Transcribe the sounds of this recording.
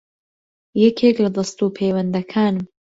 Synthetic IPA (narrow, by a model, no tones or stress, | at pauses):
jɛkʰeːklɐd̪ɐst̪upʰewɐnd̪ɐkʰaːnɨm